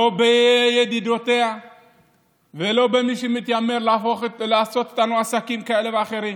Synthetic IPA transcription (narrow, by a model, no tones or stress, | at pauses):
lobejed̪id̪o̞t̪e̞a | velo̞be̞miʃemit̪jameɾlfolaːso̞t̪o̥t̪anuasakimkae̞leveaχe̞ɾim